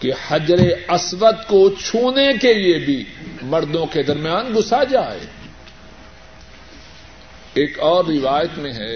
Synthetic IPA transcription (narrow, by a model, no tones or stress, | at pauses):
kehɐd͡ʒɾeɐsɾət̪kot͡ʃʰuːnekeliebʱimɐɾd̪õked̪ɐɾmjaːnɡʊsad͡ʒaːḛː | eːkɔːɾːɪʋaːjət̪mẽɦɛː